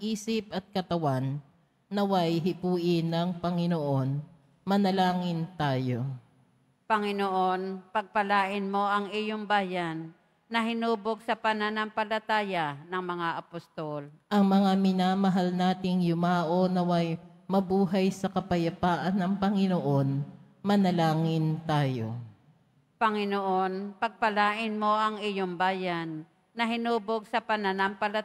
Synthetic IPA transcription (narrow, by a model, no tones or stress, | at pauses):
ʔiːsɪp̚ʔɐt̪̚kɐt̪ɐwanː | ɐwajɦɪpuːʔɪnɐŋpɐŋɪnoʔo̞n | mɐnɐlaːŋɪnt̪aːjo̞ | pɐŋɪnoʔonpɐɡ̚pɐlaːʔɪnmo̞ʔɐŋɪjoŋbaːjanː | ɐɦɪnuːboɡ̚sɐpɐnanɐŋpɐlɐt̪aːjanɐŋmɐŋaʔɐpost̪olʔɐŋmɐŋamɪnaːmɐɦalnaːt̪ɪŋjʊmaːʔo̞nɐwɐj | mɐbuːɦɐjsɐkɐpɐjɐpaːʔɐnːɐŋpɐŋɪnoʔo̞n | mɐnɐlaːŋɪnt̪aːjo̰ | pɐŋɪnoʔonpɐɡ̚pɐlaːʔɪnmo̞ʔɐŋɪjoŋbaːjanː | ɐɦɪnuːboɡ̚sɐpɐnanampɐlɐ